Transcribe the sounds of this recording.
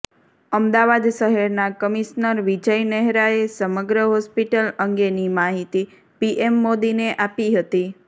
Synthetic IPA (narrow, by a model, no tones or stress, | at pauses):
əmd̪aʋad̪ʃəɦɛɾnakəmiʃnəɾʋid͡ʒəjnɛɦɾaesəməɡɾəɦɔspiʈələŋɡenimaɦit̪i | piʔemːod̪ineʔapiɦət̪i